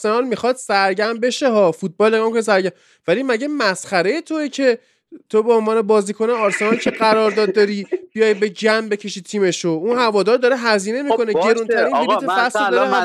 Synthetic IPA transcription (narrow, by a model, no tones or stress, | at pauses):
se̞nɒlmixɒːd̪̥sæɾɟæmbe̞ʃe̞ɦɒːfut̪̚bɒːlneɡɒːmkʰonis̬æɾɡæm | vælimæɟe̞mæsχæɾe̞jet̪ʰoicʰe̞ | t̪ʰobeonvɒːnebɒːziːkʰo̞neɒɾse̞nɒlcʰe̞ɢæɾɒːɾd̪ɒːd̪̚ːɒɾib̥ijɒjbe̞d͡ʒæmbecʰe̞ʃiːt̪ʰiːme̞ʃounhævɒːd̪ɒːɾd̪ɒɾeɦæziːne̞mikʰo̞neɡe̞ɾunt̪ʰæɾiniliːt̪ʰefæslod̪ɒɾ